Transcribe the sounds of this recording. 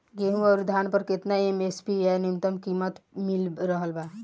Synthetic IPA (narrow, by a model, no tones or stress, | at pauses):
ɡeːɦũɔːɾd̪ʱaːnpəɾkɪt̪naemeːspiɦɛnɪmt̪əmkiːmət̪mɪlɾəɦəlbaː